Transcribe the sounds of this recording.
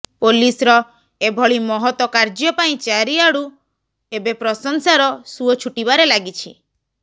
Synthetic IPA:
polisɾɔ | ebʱɔɭimɔɦɔt̪wɔkaɾd͡ʒjɔpaĩt͡ʃaɾiaɽu | ebepɾɔsɔŋsaɾɔsuɔt͡ʃʰuʈibaɾelaɡit͡ʃʰi

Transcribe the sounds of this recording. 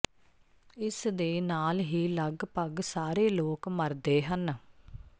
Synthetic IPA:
ɪsd̪eːnaːlɦiːləɡpəɡsaːɾeːloːkməɾd̪eːɦən

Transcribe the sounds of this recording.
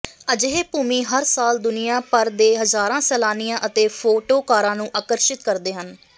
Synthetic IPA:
əd͡ʒeɦeːpuːmĩːɦəɾsaːld̪ʊnɪjãːpəɾd̪eːɦəzaːɾãːsɛːlaːnɪjãːʔət̪eːpʰoːʈoːkaːɾãːnũːʔaːkəɾʃɪt̪kəɾd̪eːɦən

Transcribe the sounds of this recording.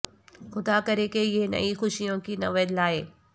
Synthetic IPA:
xʊd̪akɐɾekeɪɦenɐ̰ʔixʊʃijõkinɐʋəd̪laːɦeː

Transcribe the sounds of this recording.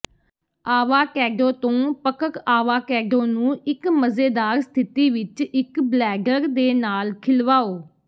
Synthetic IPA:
aːʋaːkɛːɖõːt̪õːpəkəkaːʋaːkɛːɖõːnũːɪkməzeːd̪aːɾst̪ʰɪt̪iːʋɪt͡ʃɪkblɛːɡəɾd̪eːnaːlkʰɪlʋaːoː

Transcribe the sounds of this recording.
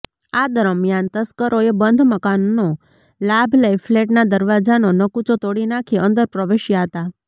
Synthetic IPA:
ad̪əɾəmjant̪əskəɾoebənd̪ʱməkanːo | labʱlajfleʈnad̪əɾʋad͡ʒanonəkut͡ʃot̪oɽinakʰiənd̪əɾpɾəʋeʃjaɦət̪a

